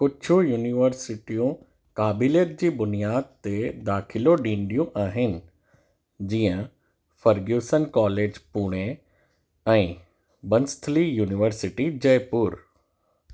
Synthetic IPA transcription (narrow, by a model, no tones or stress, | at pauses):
kʊt͡ɕʰujuːniʋəɾsɪʈijũ | kaːbɪleʈ̚d͡ʑiːbʊnijaːd̪̚t̪ed̪aːkʰɪloɖĩːɳɖijũʔaːɦɪnɪ̆ | d͡ʑiːə̃ | fɐɾɡjuːsənkɔːleːd͡ʑpuːɽ̃e | ɛ̃ː | bɐnst̪ʰlijuːnɪʋəɾsɪʈid͡ʑɐjpuːɾ